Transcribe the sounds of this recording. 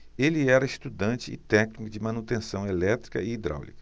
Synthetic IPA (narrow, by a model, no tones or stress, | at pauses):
elɪɛɾɐist̪ud̪ɐ̃nt͡ʃɪɪ̰t̪ɛknikʊd͡ʒɪmɐ̃nut̪ẽsɐ̃w̃elɛt̪ɾikɐ̰ɪid̪ɾa̰wlikɐ̥